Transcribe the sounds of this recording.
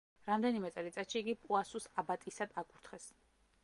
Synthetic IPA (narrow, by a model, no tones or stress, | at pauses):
ɾamd̪ɛnimɛt̪sʼɛlit̪sʼat̪ʃiːɡipʼuasusabat̪ʼisad̪̥akʼuɾt̪ʰχɛs